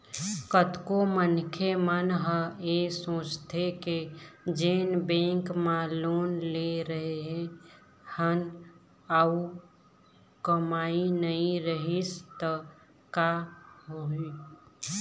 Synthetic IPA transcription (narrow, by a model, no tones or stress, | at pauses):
kət̪komənkʰemənɦə̃esõːt͡ʃt̪ʰeked͡ʒeːnbẽŋkmãloːnleɾəɦeɦ | hən | au | kəmaːinəĩɾəɦist̪ə | kaɦoi